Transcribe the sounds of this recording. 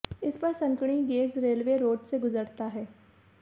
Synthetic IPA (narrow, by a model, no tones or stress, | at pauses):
ɪspɐɾsɐ̃ŋkɽ̃iɡeːzɾeːlʋeɾoːɖseɡʊzəɾt̪aɦɛː